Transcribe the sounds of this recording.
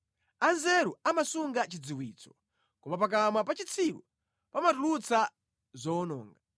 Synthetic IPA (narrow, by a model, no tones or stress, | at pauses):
anzɛɾuamasuŋɡat͡ʃid͡ziwiːt͡sɔ̥ | kɔmap̬ak̬amapat͡ʃit͡sʰilṵ | pamatulut͡sʰa | zɔːnɔ̰ːŋɡa